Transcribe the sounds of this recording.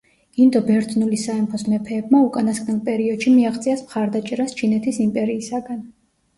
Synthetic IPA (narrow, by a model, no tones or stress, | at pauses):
ind̪ɔbɛɾt̪ʼnulisaɛmpʰɔsmɛpʰɛːbmaukʼanaskʼnilˠpʼɛɾiɔd̪̥ʃimiaχt̪sʼiasmχaɾd̪at͡ʃʼɛɾast͡ʃʰinɛt̪ʰisimpʼɛɾiːsaɡan